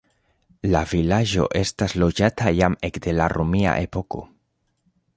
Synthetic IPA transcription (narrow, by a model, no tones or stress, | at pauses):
lavilad͡ʒo̞̰ʔe̞staslo̞d͡ʒatʰajame̞kde̞laɾomia̰ʔe̞po̞ko̞